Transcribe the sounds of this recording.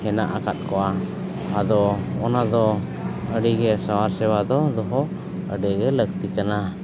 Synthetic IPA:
hɛna̰ʔakat̪̚kɔʔa | ad̪ɔɔnad̪ɔ | əɖiɡɛsawaɾsɛwad̪ɔd̪ɔɦɔ | əɖɛɡɛlək̚t̪ikana

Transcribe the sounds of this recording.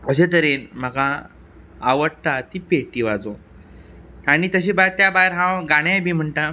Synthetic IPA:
kəɕet̪̬əɾenm̤aɡaː | ʋəɽʈ̪at̪iːpeʈiːʋad͡zo | aɽ̃it̪əɕ̬ẽbat̪jabajɾɦãɡaɽ̃jajbiːm̤əɳʈa

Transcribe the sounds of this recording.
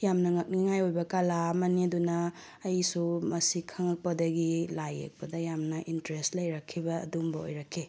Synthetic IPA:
jamnɐŋɐk̚niŋajojbɐkalamɐniɐdunɐː | jsumɐsikʰɐŋɐk̚pɐdɐɡilajḛk̚pɐdɐjamnɐʔintɾestlɐjɾɐkʰːibɐɐ̰dumbɐo̰jɾakʰːi

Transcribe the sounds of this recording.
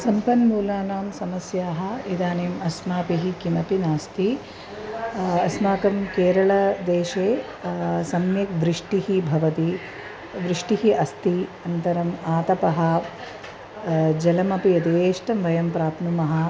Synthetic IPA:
sɐmpɐnmuːlaːnaːmsɐmɐsjaːɦɐ̆id̪aːneːmɐsmaːpiɦikimɐpinaːst̪i | ɐsmaːkɐmkeːɾɐɭɐd̪eːʃeː | sɐmjɐk̚ʋɾɪʂʈiɦibʱɐʋɐt̪i | ʋɾɪʂʈiɦiʔɐst̪iɐnt̪ɐɾɐmaːt̪ɐpɐɦɐ | d͡ʒɐlɐmɐpijɐd̪eːʂʈɐmʋɐjɐmpɾaːpnumɐɦɐ̆

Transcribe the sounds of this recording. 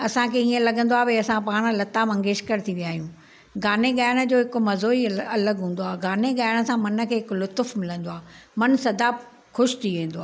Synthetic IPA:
ɐsãkʰeiə̃lɐɡʱə̃nd̪oaːbeɐsãpaːɽ̃̆lɐt̪amɐ̃ŋɡeːʃkəɾt̪ʰiʋijaːɦijũː | ɡaːneɡaːɪɽ̃ə̆d͡ʑoːɦɪkʊ̆mɐzoːiɐləɡɦũːnd̪oaːɡaːneɠaːɪɽ̃ə̆sãmɐnə̆kʰeːɦɪklʊt̪ʊfmɪlə̃nd̪oaːmɐnsɐd̪ʱa | xʊʃt̪ʰiʋẽːnd̪oaː

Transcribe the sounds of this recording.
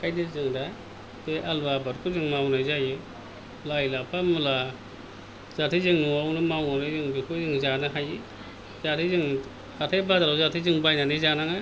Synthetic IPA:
kajnɯzɯŋda | beʔalbabaɾkʰuzɯŋmawnɯjzajɯ | lajlapʰamula | z̥atʰizɯŋnuawnɯmawnanɯzɯŋbikʰɯzɯŋzanɯɦaji | zatʰizɯŋ | atʰajbazaɾawzatʰizɯŋbajnanizanaŋa

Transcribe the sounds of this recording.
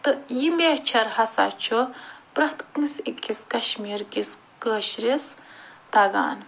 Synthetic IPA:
t̪ɨjimeːht͡ʃʰɐɾhɐsa̰ːt͡ʃʰopɾɐht̪kmisikʲːiskɐʃmiːɾkiskəːʃɾist̪ɐɡa̰ːn

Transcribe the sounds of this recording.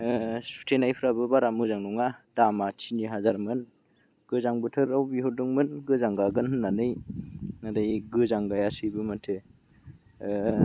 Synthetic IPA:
su̥tʰenajpʰɾabɯbaɾamɯzaŋnɔŋad̥amatʰiniɦazaɾmɯn | ɡ̥ɯzaŋbɯtʰɯɾawbiɦɔduŋmɯnɡɯzaŋɡaɡɯnhɯnːanɯjnadajɡɯzaŋɡajasɯbɯmantʰɯ

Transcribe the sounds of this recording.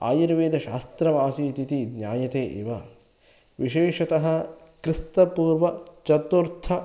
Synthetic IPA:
a̰ːjiɾʋeːd̪ʱɐʃa̰ːst̪ɾɐʋaːsit̪it̪id̪njaːjɐt̪eːʔḛːʋɐ | ʋiʃeːʃɐt̪ɐɦɐ̆kɾɪst̪ɐpuːɾʋɐt͡ʃɐt̪uɾt̪ʰɐ

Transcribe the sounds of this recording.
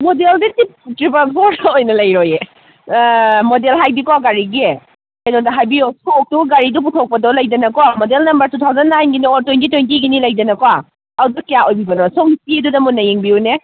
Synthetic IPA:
modelditip̚tɾipasɔɾojnɐlɐjɾoje | modelɦajdikɔaɡaɾiɡe | kajnɔdɐɦajbiosok̚tuɡaɾidup̬utʰok̚pɐdɔlɐjdɐnɐkamodelnɐmbɐɾtutʰawzɐnːajnɡiniɔɾtojntitojntiɡinilɐjdɐnɐkɔa | adɐkijaʔojbibɐnɔsɔŋsidudɐmunːɐjeŋbiune

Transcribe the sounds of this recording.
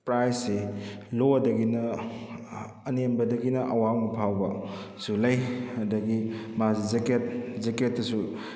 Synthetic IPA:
pɾajsːeloɐdɐɡinɐ | nembɐdɐɡinɐʔɐwawmɐpʰawbɐ | sulɐjɐdɐɡimazizeket̚zeket̚ːɐsu

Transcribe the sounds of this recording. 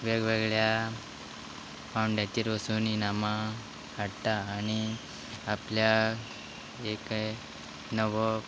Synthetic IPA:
ʋeɡʋeɡɭja | pauɳɖjat̪iːɾʋəsuːninama | haɽt̪aːñi | aplja | ek | nəʋə

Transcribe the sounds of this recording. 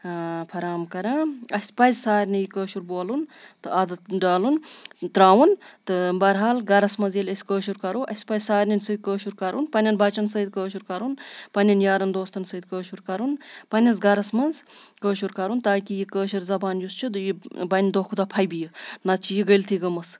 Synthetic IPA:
pʰɐɾaːmkɐɾãːɐsʲpɐjzsaːɾʲnijikəːʃuɾboːlunt̪ɨɐd̪ɐt̪ɖaːlunt̪ɾaːwunt̪ɨbɐɾɦaːlɡɐɾɐsmɐnzjelʲɐsʲkəːʃuɾkɐɾuːʔɐsʲpɐzʲsaːɾʲnɐnsəːd̪̚kəːʃuɾkɐɾunpɐnʲɐnbɐt͡ʃɐnsɐːd̪̚kəːʃ̬uɾkɐɾunpɐnʲɐnjaːɾɐnd̪oːst̪ɐnsɐːd̪kəːʃuɾkɐɾunpɐnʲɐzɡɐɾɐsmɐnzkəːʃuɾkɐɾunt̪aːkʲijikəːʃɐɾzɐbaːnjust͡ʃʰid̪ɨjibɐnʲd̪oːkʰud̪ɐpʰɐjbijinɐt̪̚t͡ʃʰijiɡəlt̪ʰiɡɐmɐs

